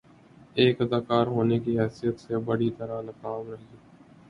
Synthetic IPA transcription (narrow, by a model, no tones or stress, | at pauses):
eːkəd̪aːkaːɾɦoːneːkiːɦɛːsijət̪sebəɽiːt̪əɾanəkaːmɾəɦː